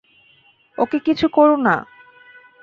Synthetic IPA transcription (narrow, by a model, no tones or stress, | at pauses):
okekit͡ɕʰukɔɾona̰